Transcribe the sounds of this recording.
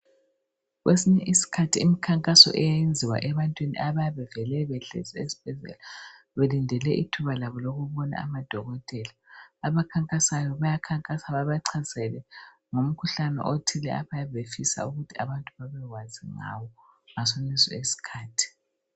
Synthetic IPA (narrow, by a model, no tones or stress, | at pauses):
ɣwesiɲɛʔisi̥kʰatʰiimikʰaŋkʼasɔ̰ʔɛjaend͡zʱiwa̰ʔɛβantʼwinḭʔaβajaβɛvɛlɛβɛɬḛsɛesi̥b̥ʱɛzɛ̰la | βelindʱɛlɛʔitʰuβalaβɔloɣuβɔna̰a̰mad̥ʱɔɣɔtʼɛlaːβakʰaŋkʼasajɔβajakʰaŋkʼasaβaβaǀʰasɛlɛ | ŋom̩kʰuɬanɛ̰ʔotʰilɛaβajaβefisa̰uɣutʰiaβantʼuβaβɛɣwaziŋa̰wɔ | ŋasonisɔ̰esi̥kʰaːtʰi̥